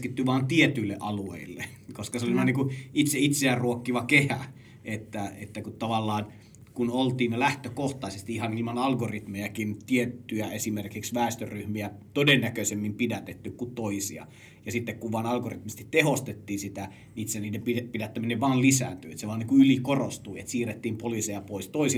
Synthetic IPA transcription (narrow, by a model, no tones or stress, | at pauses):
skit̪ːyʋɑːnt̪iet̪yilːḛʔɑluḛilːḛkoskɑseoliʋɑːˑniːŋkuit̪seit̪seæːrruokːiʋɑkehæ̰ | et̪ːæet̪ːækut̪t̪ɑʋɑlːɑːn | kunolt̪iːnlæht̪økoht̪ɑˑisest̪iihɑnilmɑnɑlɡorit̪mejækint̪iet̪ːyjæesimerkiksʋæˑːst̪øryhmiæt̪odenːækøisemːimpidæt̪et̪ːykkut̪t̪oisiɑ̰ | jɑsit̪ːekkuʋʋɑːnɑlɡorit̪mist̪it̪t̪ehost̪et̪ːiːsit̪æ | it̪seniːdempipidæt̪ːæmineʋʋɑːllisæ̰ːnt̪y̰ːḛt̪seʋɑːniŋkuylikorost̪uiḛt̪siːret̪ːiːmpoliˑsejɑpoist̪oisi